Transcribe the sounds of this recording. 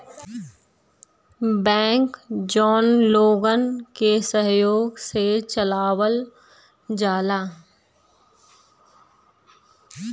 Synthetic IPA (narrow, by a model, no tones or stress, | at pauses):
bɛ̃ːkd͡ʒɔːnloːɡənkesəɦjoːɡset͡ʃəlaːwəl | d͡ʒaːlaː